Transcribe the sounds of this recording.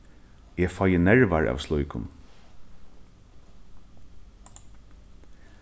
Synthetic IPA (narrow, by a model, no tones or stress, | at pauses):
ɛːfɔjənɛɹʋaɹa̰ːʋslʊjkʊ̰n